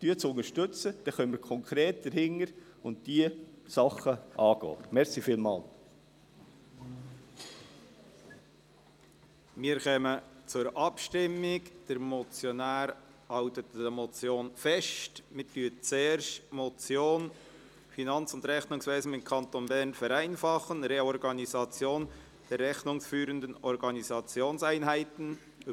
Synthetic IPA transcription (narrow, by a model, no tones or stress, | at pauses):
tyːət͡sʊnəʃtɵt͡səd̪̥ɛχœnməɾkʰɔŋkʰɾeːt̚d̥əɾhɪŋəɾ | ʊntd̥iəsɑχəʔɑːɡo̰ːmɛɾsifiːlmɑ̰ːl | miəɾχɛmət͡sʊɾɑpʃtɪmːɪkd̥əɾmɔt͡sjɔnæːɾ | hɑltətəmot͡sjoːnfɛʃtmɪtyːət͡seːɾʃtmot͡sjoːn | finɑnt͡sʊndɾɛχnʊŋsveːzn̩ɪmkʰɑntonbɛɾnfɛɾæɪnfɑχənɾeɔɾɡɑnizɑt͡sjoːn | d̥ɛrɛχnʊŋsfyːɾəndənɔɾɡɑnizɑt͡sjoːnsæɪnɦæɪtən̩